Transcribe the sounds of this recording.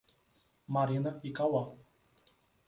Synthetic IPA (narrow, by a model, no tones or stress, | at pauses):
maɾinəpikawa